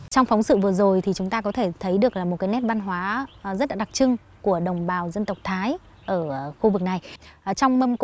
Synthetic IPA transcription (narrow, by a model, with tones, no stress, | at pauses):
t͡ɕɔ˧wŋ͡mfɔ˨˦wŋ͡msɨ̰˧˨vɨ˨˩əzo˨˩jt̪ʰi˨˩t͡ɕʊ˨˦ŋ͡mt̪aː˧kɔ˨˦t̪ʰe˧˩t̪ʰə˨˦jɗɨ˨˩ək̚laː˨˩mo˨˩t̚kaː˨˦jnɛ˦˥p̚ɓa˧nɦwaː˨˦zə˦˥t̚laː˧˥ɗa˨˩t͡ɕɨ˧ŋ | ku˧˩əɗə˨˩wŋ͡mɓaː˨˩wzə˧nt̪ə˨˩wk͡p̚t̪ʰaː˨˦j | ʔəː˧˩xu˧vɨ˨˩k̚na˨˩jt͡ɕɔ˧wŋ͡mmə˧mk